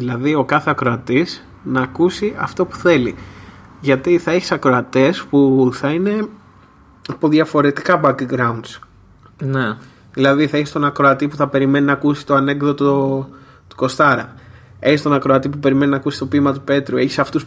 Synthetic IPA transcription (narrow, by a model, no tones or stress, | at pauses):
ðilɐðio̞kɐθe̞ɐkɾoɐt̪is | nɐːkusiʔɐ̰ft̪o̞pu̥θe̞liʝɐt̪iθɐe̞çi̥sɐkɾoɐt̪e̞spuθɐine̞ | ɐpo̞ðʝɐfo̞ɾe̞t̪ikɐbɐkiɡɾɐund̪s | ne | ðilɐðiθɐeçist̪o̞nɐkɾo̞ɐt̪ipuθɐpe̞ɾime̞ninɐːkusi̥t̪oɐne̞ɡðot̪o | t̪u̥ko̞st̪ɐɾɐ̰ | e̞çist̪o̞nɐkɾoɐt̪ip̬upe̞ɾimeninɐːkusi̥t̪o̞pimɐt̪̬upe̞t̪ɾueçi̥sɐft̪us